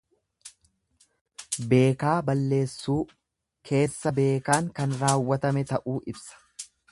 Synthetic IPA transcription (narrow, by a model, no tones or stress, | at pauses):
be̞ːkaːbɐlːe̞ːsːuː | kʰe̞ːsːɐbe̞ːkaːŋkɐnɾaːwːɐt̪ɐmɛt̪ɐʔuːʔɪbsɐ̥